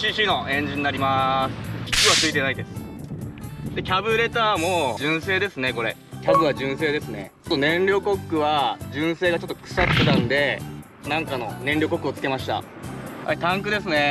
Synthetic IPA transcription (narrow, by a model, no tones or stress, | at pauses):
ɕiːɕiːno̞ẽ̞ɲ̟d͡ʑiɲ̟inaɾʲimasɨ̥i̥kʲɯat͡sɨit̪e̞naid̪e̞sɨ̥ | d̪e̞kʲabɯ̟ɾe̞t̪aːmo̞d͡ʑɨ̃ɰ̃seːd̪e̞sɨne̞ko̞ɾe̞ | kʲabɯ̟βad͡ʑɨ̃ɰ̃se̞ːd̪e̞sɨne̞̰t͡ɕot̪ːo̞nẽ̞nɾʲo̞ːko̞kːɯ̟βad͡ʑɨ̃ɰ̃se̞ːɡat͡ɕo̞t̪ːokɯ̥sat̪ːet̪ãnd̪e̞ | nãŋkano̞nẽ̞nʲɾʲo̞ːko̞kːɯo̞t͡sɨ̥ke̞maɕi̥t̪a̰ | ha̰it̪ãŋkɯ̟d̪e̞sɨne